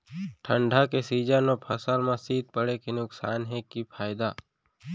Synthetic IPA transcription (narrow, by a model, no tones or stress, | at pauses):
ʈʰə̃ɳɖʱakesiːd͡ʒanopʰɐsalmãsiːd̪̚pəɽekenʊksaːnɦekipʰaːɪd̪aː